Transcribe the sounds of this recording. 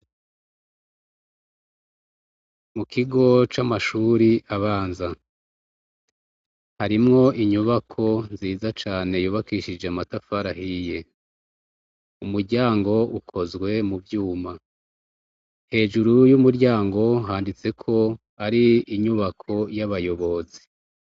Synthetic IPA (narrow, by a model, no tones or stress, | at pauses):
mukʰiɡo̞t͡ʃamaʃuːɾiʔaβaːnza | haɾimŋo̞ʔiɲuβakʰo̞nziːzat͡ʃaːne̞juːβakiʃid͡ʒeamatafaɾahije̞ | umuɾɟaːŋɡo̞ukʰo̞zɡwe̞muvjuːma | he̞ːʒuɾujumuɾɟaːŋɡo̞ɦaːndit͡se̞kʰo̞ | aɾiiɲuβakʰo̞jaβajo̞βo̞zi̥